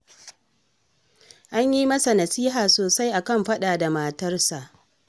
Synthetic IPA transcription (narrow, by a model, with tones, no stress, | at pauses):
ʔa˦ɲji˦mɐ˦sa˨nɐ˨siː˦ɦaː˨soː˨sa˦jʔa˨kɐ˦˨mɸɐ˦ɗa˨da˨ma˨tɐ˦rsa˨ʔ